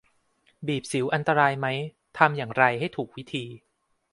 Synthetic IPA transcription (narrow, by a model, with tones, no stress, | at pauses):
biː˨˩p̚si˩˦wʔa˧nt̪a˧ɾaː˧jma˦˥j | t̪ʰa˧mjaː˨˩ŋɾa˧jha˥˩jt̪ʰuː˨˩k̚wi˦˥t̪ʰiː˧